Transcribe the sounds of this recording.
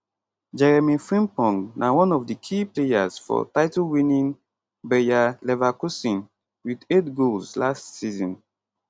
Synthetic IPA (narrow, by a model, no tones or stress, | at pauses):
d͡ʒɛɹɛmifɹĩmpɔ̃ŋɡnʔawɔ̃nɔvdikʰiplejaz̥fɔ̰taɪtɔlwĩnĩn | bɛjalɛvakusĩn | widetɡolslastsizɔ̃n